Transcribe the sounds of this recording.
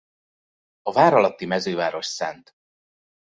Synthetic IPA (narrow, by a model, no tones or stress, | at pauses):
ɒvaːɾɒlɒt̪ːimɛzøːvaːɾo̞ʃsɛnt̪